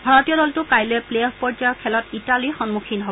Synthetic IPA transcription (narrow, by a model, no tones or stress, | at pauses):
bʱaɹɔtijɔɾɔltʊkajloɛplejɔfpɔɹd͡ʒajɔkʰɛlɔtitalixɔnmukʰinɦob